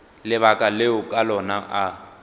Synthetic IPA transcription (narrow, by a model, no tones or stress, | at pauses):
lɪβakʼaleʊkʼalɔnaʔa